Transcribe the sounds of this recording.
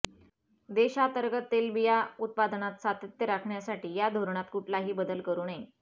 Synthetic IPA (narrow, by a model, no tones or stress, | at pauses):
d̪eɕat̪əɾɡət̪ːelʋijaut̪̚pad̪nat̪sat̪ət̪jəɾakʰɳjasaʈiːjad̪ʱoɾɳ̃at̪kuʈʰlaɦiːbəd̪əlkəɾuːne